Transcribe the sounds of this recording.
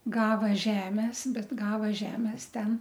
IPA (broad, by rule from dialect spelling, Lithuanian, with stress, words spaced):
ˈɡɑːʋɐ ˈʒʲæːmʲɛs ˈbʲɛt ˈɡɑːʋɐ ˈʒʲæːmʲɛs ˈtʲɛn